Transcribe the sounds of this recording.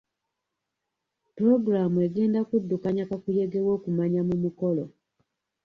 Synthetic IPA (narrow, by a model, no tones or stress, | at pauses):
pɾo̞ɡɾamueɡe̞ːndakudːukaɲakakuje̞ɡe̞wo̞ːkumaɲamumuko̞lo